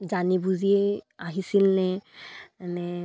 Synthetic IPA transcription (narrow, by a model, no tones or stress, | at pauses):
zanibuzieaɦisilnɛ | anɛ